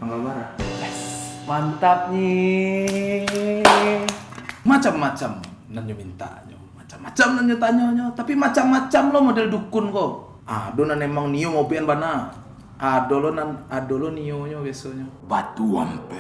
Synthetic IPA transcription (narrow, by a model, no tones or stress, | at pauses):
paŋɡalbaɾa | mant̪ap̚ɲi | mat͡ʃamːat͡ʃam | nanɲomint̪a̰ʔɲo̰mat͡ʃamːat͡ʃamnanɲot̪aɲoɲot̪apimat͡ʃamːat͡ʃamlɔmodɛldukʊnko | a̰donanemaŋniomobianbana | ʔadolɔnanadolɔnioɲobasɔɲɔbat̪ua̰m